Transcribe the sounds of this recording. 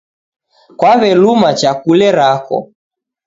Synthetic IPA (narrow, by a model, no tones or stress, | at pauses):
kwaβɛlumat͡ʃakulɛɾakɔ̰